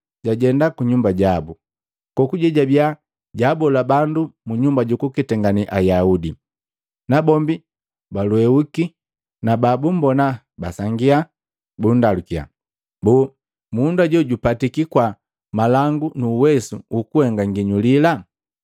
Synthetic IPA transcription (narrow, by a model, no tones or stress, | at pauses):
ɟaɟɛndakuɲumbaɟabu | kɔkuɟɛɟabja | ɟaːbɔlabandumuɲumbaɟukukitɛŋɡaniʔajaudi | nabɔmbi | baluɛuki | nababum̩bɔna | basaŋɡia | bun̩dalukia̰ | bɔ | mundaɟɔɟupatikikwa | malaŋɡunuːwɛsṵukuhɛŋɡaŋɡiɲulila